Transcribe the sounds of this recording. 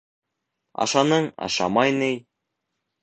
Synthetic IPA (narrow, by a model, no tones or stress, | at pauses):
ɑ̰ʃɑnɤɴɑ̰ʃɑ̰mɑjnɤj